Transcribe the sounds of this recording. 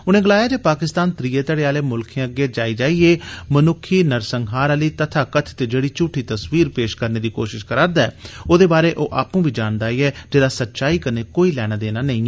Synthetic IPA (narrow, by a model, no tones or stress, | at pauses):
ʊnẽːɡəlaːjaːd͡ʒeːpaːkɪst̪aːnt̪ɾiːeːt̪əɽeːaːleːmʊlkʰẽːəɡeːd͡ʒaːiːd͡ʒaːiːeːmənʊkʰːiːnəɾsəŋɡɦaːɾaːliːt̪ət̪ʰaːkət̪ʰt̪eːd͡ʒeːɽiːt͡ʃʊːʈʰiːt̪əsʋiːɾpeːʃkəɾneːd̪iːkoːʃɪʃkəɾaːɾd̪aːɛːoːd̪eːbaːɾeːʔoːʔaːpũːbiːd͡ʒaːnd̪aːiːɛːd͡ʒeːɾaːsətːʃaːiːkəneːkoːiːlɛːɽ̃aːd̪eːnaːnəĩː